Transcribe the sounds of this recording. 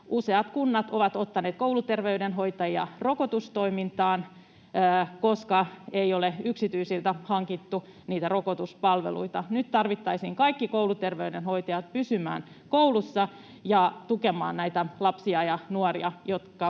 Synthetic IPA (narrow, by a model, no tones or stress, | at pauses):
ʔuseɑt̪kunːɑt̪oʋɑt̪ot̪ːɑneːt̪̚kowlut̪erʋeydenɦo̞it̪ɑjiɑ̰rokot̪ust̪oimint̪ɑːnː | koskɑeioleyksit̪yisilt̪æhɑŋkit̪ːu | niːt̪ærokot̪uspɑlʋḛlṵit̪ɑnyt̪t̪ɑrʋit̪ːɑisiːŋkɑikːikoulut̪erʋeydenhoit̪ɑjɑt̪̚pysymæ̰ːn | koulusːɑ | jɑt̪ukemɑ̰ːnnæit̪ælɑpsiɑjɑnuɑriɑjot̪kɑ